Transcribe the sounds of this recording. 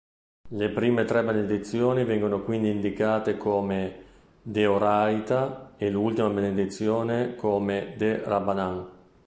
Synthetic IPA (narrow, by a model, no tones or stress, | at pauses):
lepɾiːmet̪ɾɛbened̪it̪sːjoːnivɛŋɡonokwind̪iːnd̪ikaːt̪ekʰoːme | d̪eoɾajt̪aelult̪imabened̪it̪sːjoːnekoːmed̪erabanaŋ